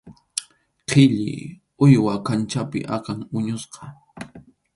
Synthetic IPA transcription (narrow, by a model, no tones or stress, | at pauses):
qʰɪʎɪ̰ | ʊjwakant͡ʃapɪ̰ʔakaŋʊɲʊsqɑ̥